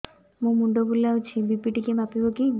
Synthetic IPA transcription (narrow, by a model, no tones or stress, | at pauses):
mũmuɳɖoɡulawt͡ʃʰibipiʈikemapiboki